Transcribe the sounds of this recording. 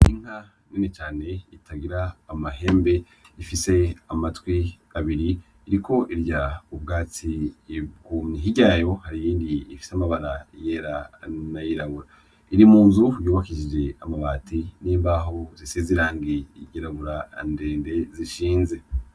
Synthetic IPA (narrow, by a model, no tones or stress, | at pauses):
iŋ̥ha | niːnet͡ʃaːne̞itʰaɡiɾaːmaɦe̞ːmbe̞ | ifise̞amatwi | aβiɾiː | ɾikʰo̞ʔiɾɟaub̚ɡaːt͡siɡuniɦiɟajo̞haɾijiːndiːfi̥samaβaɾajeɾanajiɾaβuɾa | iɾimuːnzujuːβakiʒid͡ʒe̞amaβaːtiniːmbaɦo̞zisiziɾaːŋɡiɟiɾaβuɾande̞ːnde̞ziʃiːnze̞